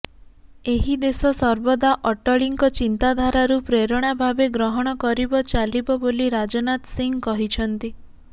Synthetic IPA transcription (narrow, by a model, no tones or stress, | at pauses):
eɦid̪esɔsɔɾbɔd̪aʔɔʈɔɭiŋkɔt͡ʃint̪ad̪ʱaɾaɾupɾeɾɔɽ̃abʱabeɡɾɔɦɔɽ̃ɔkɔɾibɔt͡ʃalibɔboliɾad͡ʒɔnat̪siŋɡkɔɦit͡ʃʰɔnt̪i